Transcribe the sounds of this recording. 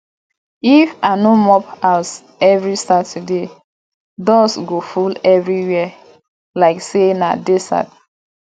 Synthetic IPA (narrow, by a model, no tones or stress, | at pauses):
ifanomɔpas | ɛvɹisatude | dɔsɡofulɛvɹiwɛ | laɪksena̰desa̰d̚